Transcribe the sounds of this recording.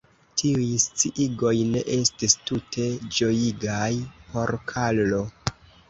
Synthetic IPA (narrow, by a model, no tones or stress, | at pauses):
tʰiujst͡siʔiɡo̞jne̞̰ʔe̞stistutʰe̞d͡ʒo̞jiɡajpʰo̞ɾkʰallo̞